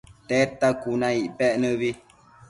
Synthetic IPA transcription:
tɛːtakunaiʔpɛʔnəβi

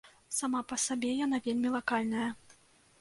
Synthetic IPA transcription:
samapɐsabʲɛjanavʲelʲmʲilˠakalʲnɐjɐ

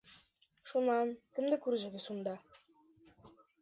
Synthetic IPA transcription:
ʃunɑnkɘ̆md̪ɘ̆kʉɾʒɘ̆ɡɘ̆sund̪ɑ

